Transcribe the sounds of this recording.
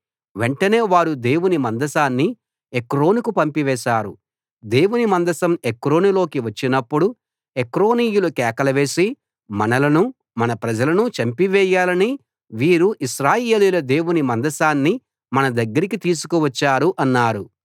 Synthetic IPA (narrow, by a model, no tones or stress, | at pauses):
ʋe̞ɳʈɐne̞ːʋaːɾud̪e̞ːwunimɐnd̪ɐsaːnːi | ekɾo̞ːnukupɐmpiʋɛːʃaːɾṵ | d̪e̞ːwunimɐnd̪ɐsɐmekɾo̞ːnilo̞ːkiʋɐt͡ʃːinɐpːuɽu | ekɾoːniːjulukɛːkɐlɐʋe̞ːsi | mɐnɐlɐnu | mɐnɐpɾɐd͡ʒɐlɐnut͡ʃɐmpiʋɛːjaːlɐni | ʋiːɾuʔiʃɾaːje̞ːlijlɐd̪e̞ːwunimɐnd̪ɐsaːnːi | mɐnɐd̪ɐɡːɐɾikit̪iːs̬u̥kuʋɐt͡ʃːaːɾuʔɐnːaːɾu